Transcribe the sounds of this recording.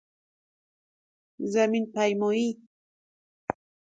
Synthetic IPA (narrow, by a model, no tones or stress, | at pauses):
zamɪnpajmʊji